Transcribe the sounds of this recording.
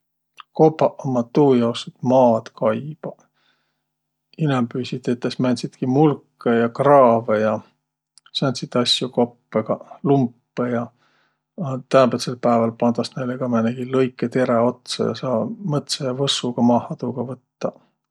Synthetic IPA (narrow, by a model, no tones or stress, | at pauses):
ko̞pːɑʔomɑt̪ːuːjɑwset̪mɑːd̪̥kʰɑjb̥ɑ | inempyːsʲit̪et̪ːˑesmænʲsit̪kimulkːejɑkrɑːvejɑ | sɑnʲt̪ʲsit̪ːɑsʲjuko̞pːeɡ̥ɑlumpːejɑ | ɑt̪ænbet̪selpæevɑlpɑnd̪̥ɑsnejleɡ̥ɑmæneɡ̥ilɤjkˑːet̪e̞ɾeo̞t̪sɑ̰jɑ̰sɑːmɤt̪sɑjɑvɤsuɡ̥ɑmɑːhɑt̪uɡ̥ɑvɤt̪ːɑ